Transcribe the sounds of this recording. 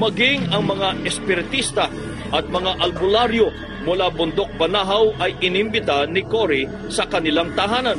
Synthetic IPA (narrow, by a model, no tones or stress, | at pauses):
mɐɡɪŋɐŋmɐŋaʔɛspɪɾt̪ist̪ɐ | ʔɐt̪̚mɐŋaʔɐlbʊlaɾjo | mʊlabʊnd̪ok̚bɐnaɦɐwɐjʔɪnɪmbɪt̪anɪkoɾɪ | sɐkɐnɪlaŋt̪ɐɦaːnɐn